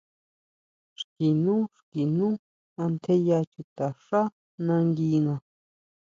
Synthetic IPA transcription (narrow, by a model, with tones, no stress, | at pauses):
ʂki˨nũ˦ʂki˨nũ˦ | ã˧nt̪ʰe˦ja˧t͡ʃu˧t̪a˨ʂa˦ | nã˧ŋɡi˧ŋã˨˧